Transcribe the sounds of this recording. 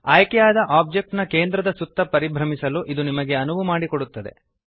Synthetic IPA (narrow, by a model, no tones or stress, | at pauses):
aːjkɛjaːd̪ɐʔaːb̚d͡ʒek̚ʈnɐke̞ːnd̪ɾɐd̪ɐsut̪ːɐpɐɾibʱɾɐmisɐluʔid̪unimɐɡe̞ɐnuʋumaːɽikoɽut̪ːɐd̪e̞̰